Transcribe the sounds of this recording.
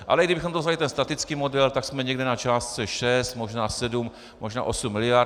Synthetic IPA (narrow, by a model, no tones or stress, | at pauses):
ʔa̰lɛɡdɪbɪxomdovzalɪt̪ɛnst̪at̪ɪt͡skiːmo̞dɛlt̪aksmɛɲɛɡdɛnat͡ʃaːst̪̚t͡sɛʃɛst̪mo̞ʒnaːsɛdum | moʒna̰ːʔosumːɪlɪja